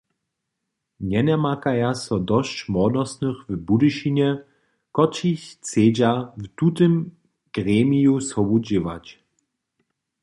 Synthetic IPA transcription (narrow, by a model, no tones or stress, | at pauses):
ɲɛnɛmakajasɔd̪ɔɕt͡ɕmɔd̪ɔsnɨxvbudɨʃiɲɛ | kɔt͡ʃiçt͡seːd͡ʑavtut̪ɨm | ɡ̥ʁɛmʲijusɔbud͡ʑɪva̰t͡ɕ